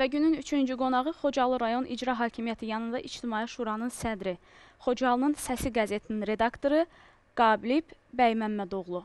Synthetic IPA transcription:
væɟynynyt͡ʃʰynd͡ʒyɡo̞nɑʁɯχo̞d͡ʒɑlˠɯɾɑjo̞nʔḭd͡ʒɾɑɦɑːcʰimijæt̪ʰijɑnɯnd̪ɑʔit͡ʃt̪ʰimɑːiʃuːɾɑnɯnsæd̪ɾi | χo̞d͡ʒɑlˠɯnɯnsæsiɡæze̞t̪ʰininɾe̞d̪ɑkt̪o̞ɾɯ | ɡ̥ɑːblib | bæjmæmːæd̪o̞ʁlˠu

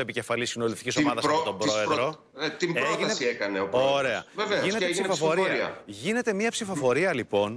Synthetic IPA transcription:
e̞pice̞fɐlisinolift̪icisomɐðɐsɐt̪obɾoeðɾo | t̪imbɾoʝinesiekɐneopoɾe̞ɐ̰veveinneepsifosfoɾioiɐ̰ʝine̞t̪e̞miɐpsifo̞fo̞ɾiɐlipo̞n

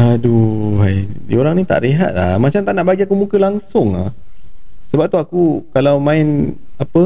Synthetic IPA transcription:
aduɦajdḭoɾaŋnit̪a̰ʔɾeɦa̰t̪̚lahmat͡ʃamt̪aʔnaʔbaɡiakumũkəlaŋsʊŋa̰h | səbap̚t̪uakukalawmãɪnapə

